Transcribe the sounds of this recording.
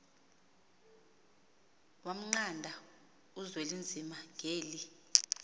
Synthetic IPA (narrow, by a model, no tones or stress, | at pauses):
wam̩ŋ͡ǀandʱa | uzwelind͡zʱimaŋʱeːli